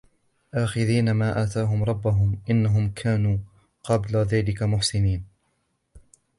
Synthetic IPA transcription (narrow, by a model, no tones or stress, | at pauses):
ʔaːxɪðiːnamaːʔaːt̪aːɦʊmɾˤɑbːaɦʊmʔɪnːaɦʊmkʰaːnuː | qɑblaðaːlɪkamʊħsɪniːn